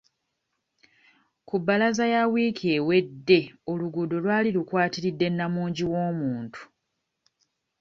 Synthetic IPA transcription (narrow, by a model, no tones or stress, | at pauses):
kubːalazajawiːkʰewe̞dːe̞o̞luɡudolwaːlilukwaːtiɾidːe̞nːamuːɲɟiwo̞ːmuːntu̥